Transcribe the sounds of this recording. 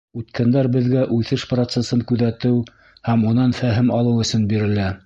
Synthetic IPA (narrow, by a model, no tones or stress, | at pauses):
ʉt̪kænd̪æɾbɘ̆ðɡæʔʉθɘʃprot̪sesɤŋkʉðæt̪ɘw | hæmunɑnfæɦɘmɑlˠɤwɵ̆sɵnbiɾɘ̆læ